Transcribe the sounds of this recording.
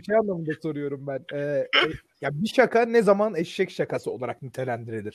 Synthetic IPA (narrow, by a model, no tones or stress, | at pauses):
it͡ʃʰɛjanlˠamɯnd̪aso̞ɾujo̞ɾumbænɛː | jabiʃakʰanɛzamanɛʃʃɛcʃakʰasɯo̞lˠaɾaknyt̪ʰelʲænd̪iɾelʲiɾ̥